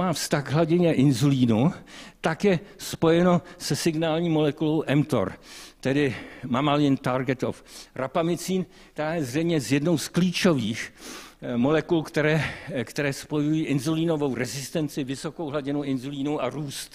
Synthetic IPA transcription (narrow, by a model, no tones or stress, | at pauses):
maːfst̪aɣɦlaɟɪɲɛʔɪnzuliːnut̪akjɛspo̞jɛno̞sɛsɪɡnaːlɲiːmo̞lɛkulowʔɛmt̪o̰ɾt̪ɛdɪmamalɪnt̪aɾɡɛt̪o̰frapamɪt͡siːn | t̪aːjɛzr̝ɛjmɲɛzjɛdnowskliːt͡ʃo̞viːx | mo̞lɛkulkt̪ɛɾɛːkt̪ɛɾɛːspo̞jujiːʔɪnzuliːnovo̞wɾɛzɪst̪ɛnt͡sɪvɪsokowɦlaɟɪnuʔɪnzuliːnua̰ɾuːst̪